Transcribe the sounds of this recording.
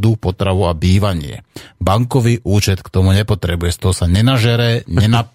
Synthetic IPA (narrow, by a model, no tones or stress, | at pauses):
d̪upɔt̪ɾaʋuabiːʋaɲɪɛ̰baŋkɔʋiːʔuːt͡ʃɛt̪kt̪ɔmuɲɛpɔt̪ɾɛbujɛst̪ɔɦɔsaɲɛnaʒɛɾɛːɲɛna